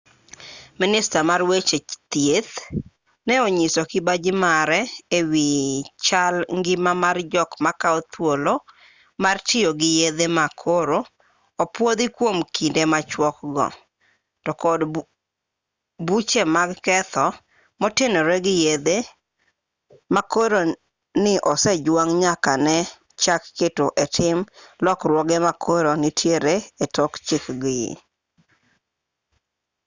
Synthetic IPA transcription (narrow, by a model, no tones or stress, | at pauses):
mɪnɪstamarwet͡ʃet̪jet̪ | nɛoɲisɔkɪbad͡ʒɪmaɾɛewit͡ʃalŋɡɪmamard͡ʒɔkmakaɔt̪wolo | martɪjoɡɪjed̪emakʰoɾo | opwod̪ikwomkʰindemat͡ʃwɔkɡɔ̰ | tɔkɔd | but͡ʃemaɡkɛt̪ɔ | mɔtɪnoɾeɡɪjed̪e | makoɾo | nɪʔɔsɛd͡ʒwaŋɲakanɛ | t͡ʃakːetoʔetʰɪmlɔkɾwɔɡɛmakʰoɾonɪtʰjeɾeetɔkt͡ʃɪkɡɪ̰